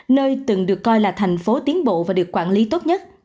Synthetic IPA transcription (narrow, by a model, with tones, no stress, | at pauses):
nəː˧jt̪ɨ˨˩ŋɗɨ˨˩əkːɔ˧jlaː˨˩t̪ʰɛ˨˩jŋ̟fo˨˦t̪i˨˦ənɓo̰˧˨vaː˨˩ɗɨ˨˩əkːwa̰ː˧˨nli˨˦t̪o˦˥t̚ɲə˦˥t̚